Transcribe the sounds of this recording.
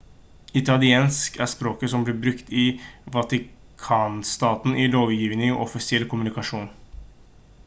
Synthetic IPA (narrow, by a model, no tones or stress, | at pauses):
ɪt̪ʰɑlɪeːnskæspɾoːkəsɔmblɪːbɾʉkt̪ɪʋɑt̪ɪ | kʰɑːnst̪ɑːt̪n̩ʔɪloːʋjiːʋnɪŋɔ̰ʔɔfɪsɪɛlkʰʊmʉnɪkɑʂuːn